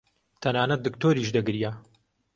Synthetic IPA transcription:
t̪ʰɐnaːnɐt̪̚d̪ɨkt̪oːɾiːʃd̪ɨɡɾija

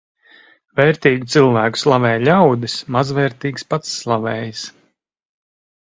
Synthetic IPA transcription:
vɛːɾt̪iːɡʲit̪silˠvæːku̥slˠavɛːjlʲawd̪ismazvɛːɾt̪iːɡspat̪sːlˠavɛːjis

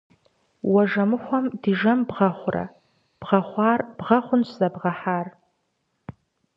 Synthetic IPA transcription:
wɐʐɐmɨħʷɔmdiʒɐmbʁɐχʷʊrɐ̰ | b̥ʁɐχʷɑːrb̥ʁɐχʷʊnszɐbʁɐħaːr

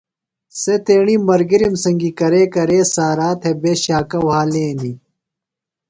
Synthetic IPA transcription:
set̪eːɳimbɐɾɡiɾimsɐŋɡikɐɾeːkɐɾeːsaːɾaːt̪ʰebeːɕaːkɐwaːleːni

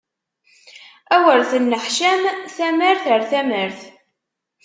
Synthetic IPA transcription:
æwəɾθənːəħʃæmθæməɾθəɾθæməɾθ

